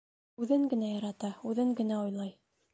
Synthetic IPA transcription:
ʉðɘŋɡɘ̆næjɑɾɑt̪ɑʉðɘŋɡɘ̆næojlˠɑj

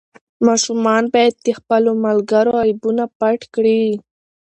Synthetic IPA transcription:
mɑʃumɑnbɑjad̪̚ːexpəlomalɡaɾoajbunapaʈkɽi

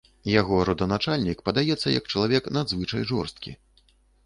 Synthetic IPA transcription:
jaɣɔɾɐd̪ɐnat͡ʂalʲnʲikpɐd̪ajɛt̪sːɐ̰jɐ̰kt͡ʂɐlˠavʲɛknad̪zvɨt͡ʂɐjʐɔ̰rst̪kʲḭ

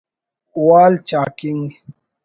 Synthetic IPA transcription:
uwaːlt͡ʃaːkiŋɡ

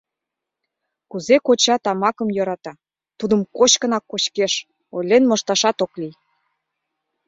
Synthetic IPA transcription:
kuzekot͡ɕɑt̪ɑmɑkə̆mjɤ̆ɾɑt̪ɑ | t̪ud̪ə̆mkot͡ɕkə̆nɑkːot͡ɕkeʃ | olʲenmŏʃt̪ɑʃɑt̪oklij

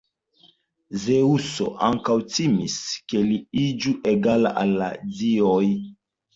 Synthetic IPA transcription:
zeuso̰ʔaŋkawtimiskeliid͡ʒuʔeɡala̰ʔalːa̰dioj

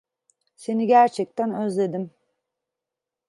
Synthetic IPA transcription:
se̞niɟæɾt͡ʃʰɛc̚t̪ʰænøzlʲe̞d̪im

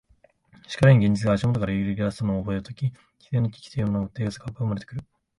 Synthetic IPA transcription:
ɕi̥kaɾaɲ̟iɡʲẽ̞ɲ̟d͡ʑit͡sɨɡaːɕimo̞t̪o̞kaɾaɯɾɯɾʲiasɨt̪onoːbo̞et̪ɯt̪okʲi | kʲi̥zẽ̞nːokʲi̥kʲi̥t̪ejɯmonoɯt̪ːe̞ːɡasɨ̥kapɯɯmaɾe̞t̪e̥kɯɾɯ̟

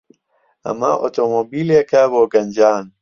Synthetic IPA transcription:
ɐ̰ma̰ʔo̰t̪omobilekaboɡɐnd͡ʑaːn

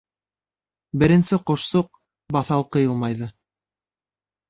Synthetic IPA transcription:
bɘ̆ɾɘ̆nsɘqŏʃsoq̚ | bɑθɑlˠqɤ̆jɤlˠmɑjðɤ

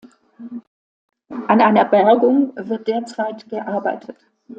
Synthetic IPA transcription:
ʔanʔaɪnɐbɛɐɡʊŋvɪɐt̚d̥eːɐt͡saɪtɡ̥əʔaɐbaɪtʰət

